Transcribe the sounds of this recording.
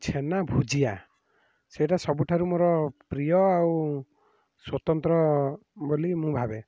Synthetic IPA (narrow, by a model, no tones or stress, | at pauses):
t͡ʃʰenabʱud͡ʒija | seʈasɔbuʈʰaɾumoɾɔpɾijɔaw | swɔt̪ɔnt̪ɾɔbolimũbʱabe